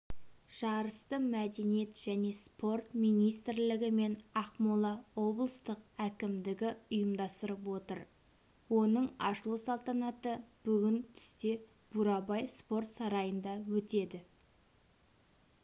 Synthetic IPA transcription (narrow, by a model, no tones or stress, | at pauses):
ʒ̥ɑɾəst̪əmæd̪e̞nije̞t̪ʒ̥æne̞spo̞rt̪mijnijst̪ɪɾlɪɡʲɪme̞nɑqmolˠɑwo̞blˠəst̪əqækʲɪmd̪ɪɡʲɪʊjəmd̪ɑst̪əɾəpwo̞t̪ə̰ɾ | wo̞nəɴɑʃəlˠusɑlˠt̪ɑnɑt̪əb̥ʏɡʲɪnt̪ʰʏ̥st̪e̞ | b̥uɾɑbɑjspo̞rt̪sɑɾɑjənd̪ɑwɵt̪e̞d̪ɪ